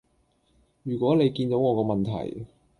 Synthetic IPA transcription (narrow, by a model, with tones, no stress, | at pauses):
jyː˨˩kwɔː˨˥ne˨˧jkiː˧nt̪o˨˥wŋɔː˨˧kɔː˧mɐ˨nt̪ʰɐ̰˨˩j